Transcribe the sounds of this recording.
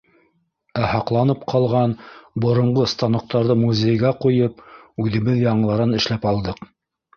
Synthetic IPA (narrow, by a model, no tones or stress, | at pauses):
æhɑqlˠɑnɤpqʰɑlˠʁɑnbŏɾŏɴʁost̪ɑnŏq̚t̪ɑɾðɤmuzʲejɡæqujɤp̚ʉðɘ̆βɘðjɑɴ̆lˠɑɾɑnɘ̆ʃlæpɑlˠd̪ɤq